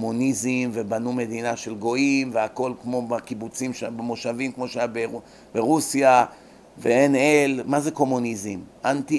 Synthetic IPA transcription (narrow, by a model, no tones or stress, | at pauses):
munizimvebanume̞d̪inaʃe̞lɡo̞imveako̞lkmo̞bakibut͡simʃbemoʃavimkmo̞ʃeajabe | beʁusja | veenelmazeko̞munizimʔant̪i